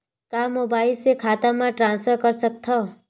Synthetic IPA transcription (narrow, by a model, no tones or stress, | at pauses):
kamobailsekʰat̪amãʈɾãnspʰəɾkʌɾsək̚t̪ʰɔ